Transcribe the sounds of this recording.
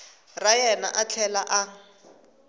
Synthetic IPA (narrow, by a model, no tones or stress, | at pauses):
rajɛna̰ʔat͡ɬʰɛlaʔa